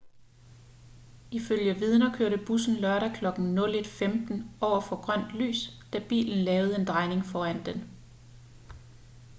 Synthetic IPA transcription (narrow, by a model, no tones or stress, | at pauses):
iføljəʋið̞ˠnɐkʰøɐ̰ɾəb̥usn̩lɶɐɾækʰlɒ̽ɡ̥n̩nɔ̽le̝d̥femd̥n̩ʔɒʊɐfɒ̽ɡ̥ʁɶn̰d̥ly̰ːsd̥æb̥ḭːln̩lɛːʊð̩ˠəe̝nd̥ʁɑ̈ɪne̝ŋfɒːæn̰d̥en